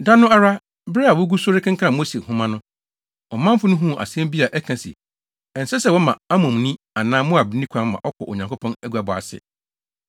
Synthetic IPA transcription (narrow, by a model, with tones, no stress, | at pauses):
dã˦nʊ̃˦a˦ɾa˦ | bɾɪ˦a˨wʊ˦ɡu˦sʊ˦ɾɪ˦kʰɪ̃˦ŋ̩kʰã˦˨mo˦se˨hũʊ̃˦mã˦nʊ̃˦ | ɔ˨mã˦m˦fʊ˦nʊ̃˦ɦũ˦˨ʔa̰˨si˦ɛ˦m˦bi˦a˨ʔɛ˦kʰã˨sḭ˨ | ɛ˨n̩˨sɛ˦sɛ˦˨wɔ˦mã˨a˦mʊ̃˨m˨nĩ˦ | a˨nãː˦mʊ̃˦a˨bɪ˨˦nĩ˦kʷʰã˦m˦mã̰˨ʔɔ˦kʰɔ̰˨ʔo˨ɲã˨ŋkʰo˦pʰɔ̃˦næ˦ɡu˨a˨bɔ˨a̰˨sɪ̰˨